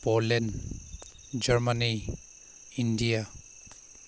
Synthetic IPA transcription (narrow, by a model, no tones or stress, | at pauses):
polɛn | d͡ʒəɹmani | indija